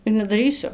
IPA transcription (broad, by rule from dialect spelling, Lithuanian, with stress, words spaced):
ɪr nʲɛdɐˈrʲiːsʲʊ